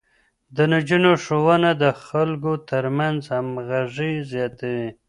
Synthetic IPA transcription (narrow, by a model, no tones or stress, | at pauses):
d̪ənad͡ʒunoʂowənad̪əxalɡot̪əɾmanzhamɣaʐizjɑt̪awi